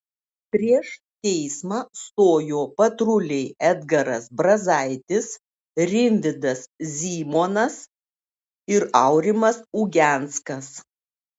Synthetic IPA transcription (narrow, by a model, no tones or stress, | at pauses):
pʲɾʲiɛʃ | t̪ʲɛɪsmɑːst̪oːjoːpɐt̪ɾʊlʲɛɪɛd̪ɡɐɾɐsbɾɐzɐɪt̪ʲɪs | ɾʲɪnʲd̪ʲɪd̪ɐszʲiːmoːnɐs | ɪɾɐʊɾʲɪmɐsuːɡʲɛˑnt̪skɐs